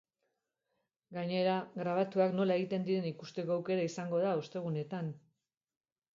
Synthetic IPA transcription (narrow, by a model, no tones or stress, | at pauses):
ɡaɲe̞ɾaɣɾaβ̞at̪uakno̞lae̞ɣit̪e̞nd̪iɾe̞nikust̪e̞ko̞ːwke̞ɾaisaŋɡo̞ð̞aost̪e̞ɣ̞une̞t̪an